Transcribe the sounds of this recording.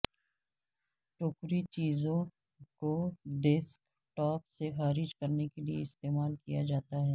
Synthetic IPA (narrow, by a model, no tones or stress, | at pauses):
ʈoːkɾit͡ʃiːzõ | koɖɪsk | ʈɔːpsexaːɾɪd͡ʒkɐɾnekeliḛɪst̪eːmaːlkijad͡ʒaːt̪aɦɛː